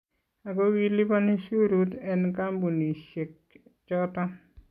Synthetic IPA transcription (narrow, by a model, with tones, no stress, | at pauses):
a˨ko˦wi˦li˦pa˦ni˦su˦ɾu˦t̪ɛ˨nka˦mbu˨ni˨ʃe˨k̚ | t͡ʃɔ˦tɔ˦